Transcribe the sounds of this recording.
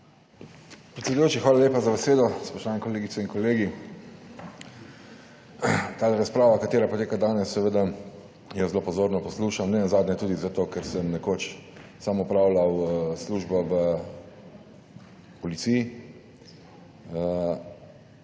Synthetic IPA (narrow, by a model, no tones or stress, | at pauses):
pɾɛtsʲɛd̪ujoːt͡ʃixʋaːlaleːpazabɛseːd̪ɔspɔʃt̪oʋaːnɛkɔleːɡit̪sɛinŋkɔleːɡi | t̪aːɾaspɾaːʋakat̪eːɾapɔt̪eːkad̪aːnɛsːɛʋeːd̪a | jɛzlopɔzoːɾnɔpɔsluːʃamnɛnazaːd̪nɲɛt̪uːd̪izat̪oːkɛɾsɛmnɛkoːt͡ʃsamɔpɾaːwlawsluʒbɔʋə | pɔlit̪siji